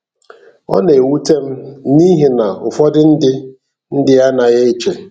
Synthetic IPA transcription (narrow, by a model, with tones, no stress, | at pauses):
ɔ̰˦ne˨wu˦te˦m̩˦ni˦ɦe˨na˨ʊ˨fɔ˦dɪ˦n̩˦dɪ˦ | n̩˦dɪ˦a˦na˨ɣe˦t͡ʃe˨